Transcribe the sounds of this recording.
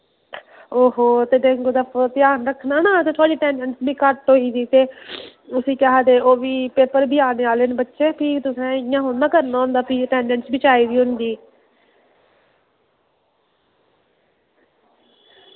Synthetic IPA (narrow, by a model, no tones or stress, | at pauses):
oːɦoːt̪eːd̪ẽːŋɡoːd̪apʰt̪ɪjaːnɾəkʰːnaːnãːsẽːt̪ʰaːɽiːʈɛːɳɖɛ̃ɳʈsbiːkəʈoːiːd̪iːt̪eː | ʊsĩːkɦaːd̪eːʔoːʋiːpeːpəɾbɪaːneːaːlenbətːʃeːpʰiːt̪ʊsɛ̃ːjãːɦʊnd̪ãːkəɾnaːɦʊ̃nd̪aːpʰiʈɛːɳɖɛ̃ɳsbɪt͡ʃaːiːdiːɦʊnd̪iː